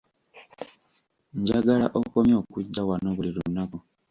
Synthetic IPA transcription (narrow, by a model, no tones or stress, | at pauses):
ɲɟaɡala̰ʔokomjo̞ːkuɟːawanoːβuliɾunːaku